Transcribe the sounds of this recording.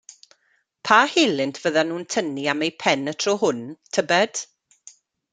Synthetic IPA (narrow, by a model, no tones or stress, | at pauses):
pʰaːheːlɪntʰv̥əðanuːntʰəniamejpʰɛnətʰroːɦʊntʰəbɛd̥